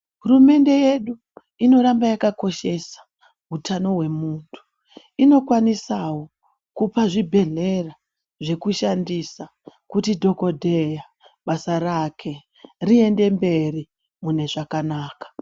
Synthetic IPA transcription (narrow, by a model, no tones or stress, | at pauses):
ɦurume̞nde̞je̞ɗu | ino̞ɾambajakako̞ʃe̞sḁ | ɦutʰano̞we̞muːntʰu̥ | ino̞kwanisawo̞ | kupaʐibʱe̞ɮe̞ra | ʐe̞kuʃandisa | kutidʱo̞ko̞dʱeja | ɓasaɾakʰe̞ | rie̞nde̞mbe̞ri | mune̞ʐakanaːkḁ